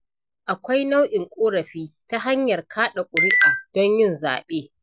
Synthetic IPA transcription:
ʔa˨kʷa˦jna˦wʔɪ˨ŋkʷʼoː˦ɾɐ˨ɸiː˦ta˦ɦa˦ɲjɐ˨rkʰaː˦ɗa˨kʷʼʊ˨ɾɪ˦ʔaː˨d̥ɔ˦ɲjɪ˦˨nza̰ː˨ɓeː˦

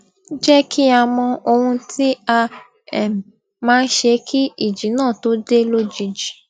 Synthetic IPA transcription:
d͡ʒɛ˦kʰi˦a˧mɔ̃˧o˧hũ˧ti˦a˧ | ɛ˨m˨ | mãː˦n̩˦ʃe˧kʰi˦i˦˨d͡ʒi˨˦nãː˦˨to˨˦de˦lo˦d͡ʒi˧˨d͡ʒi˨

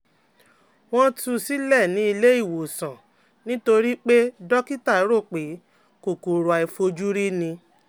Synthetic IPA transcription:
w̃ɔ̃˦tu˧si˦lɛ˦˨nĩ˨˦i˧le˦i˦˨wo˨sã˨ | nĩ˦to˧ɾi˦k͡pe˦dɔ˦ki˦ta˦˨i˨˦ɾo˦˨k͡pe˨˦ | ko˨ku˨ɾo˨a˨i˧fo˧d͡ʒu˦ɾi˦nĩ˧

